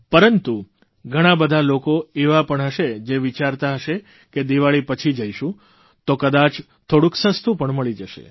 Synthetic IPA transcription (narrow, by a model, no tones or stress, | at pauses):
pəɾənt̪u | ɡʱəɽ̃abəd̪ʱalokoeʋapəɳɦəʃed͡ʒeʋit͡ʃaɾt̪aɦəʃe | ked̪iʋaɭipət͡ʃʰid͡ʒəiʃũ | t̪okəd̪at͡ʃ | t̪ʰoɽũksə̃st̪ũpəɳməɭid͡ʒəʃḛ